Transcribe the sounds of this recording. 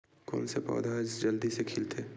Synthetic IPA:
kɔ̰ːnsepɔ̰ːd̪ʱaːd͡ʒd͡ʒɐld̪isekʰɪlt̪ʰeː

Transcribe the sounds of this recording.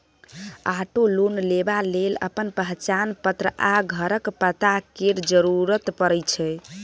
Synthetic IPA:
aʈolonlebalelə̰pənpəɦt͡ʃanpət̪ɾəaɡʱəɾəkpət̪akeɾd͡ʒəɾuɾət̪pəɾəjt͡ʃʰɛ

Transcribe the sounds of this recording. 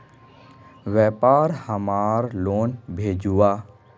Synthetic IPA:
ʋɛːpaːɾhəmaːɾloːnbʱeːd͡ʒuːaː

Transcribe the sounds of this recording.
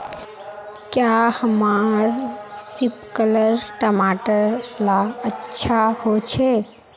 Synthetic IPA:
kjahəmaɾsɪpkələɾʈəmaːʈəɾlaətːʃʰahot͡ʃʰe

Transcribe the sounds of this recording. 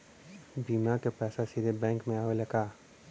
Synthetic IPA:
biːmakepɛːsasiɾebɛ̃ːŋkmẽaːʋelɐkaː

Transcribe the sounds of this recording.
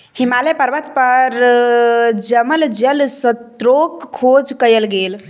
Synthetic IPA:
himalepəɾʋət̪pəɾ | d͡ʒəməld͡ʒəlsət̪ɾokʰːod͡ʒkəjəlɡel

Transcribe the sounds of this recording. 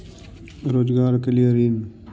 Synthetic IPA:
ɾoːzɡaːɾkəliəɾiːn

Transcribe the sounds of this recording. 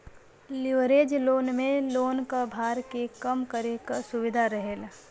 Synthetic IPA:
lɪʋɾeːd͡ʒloːnmẽloːnkabʱaːɾkekɐmkəɾekasʊʋɪd̪ʱaɾəɦeːl

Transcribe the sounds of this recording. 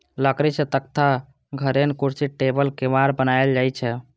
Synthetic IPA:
ləkɾit͡ʃʰet̪ək̚t̪ʰa | ɡʱəɾenkuɾsiʈebəlkemaɾbənaeld͡ʒajt͡ʃʰɛ

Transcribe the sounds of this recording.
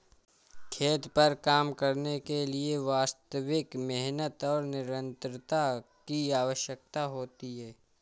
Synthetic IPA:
kʰeːt̪pɐɾkaːmkəɾnekelieʋaːst̪əʋɪkmɛɦnət̪ɔːɾnɪɾə̃nt̪ɾət̪akiaːʋəʃjək̚t̪aɦoːt̪iɦɛː

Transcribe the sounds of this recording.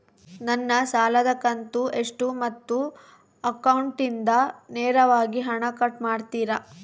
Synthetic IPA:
nɐnːɐsaːlɐd̪ɐkɐnt̪ueʂʈumɐt̪ːu | ɐkɐwɳʈind̪ɐnɛːɾɐʋaːɡiɦɐɳɐkɐʈmaːɖt̪iːɾɐ

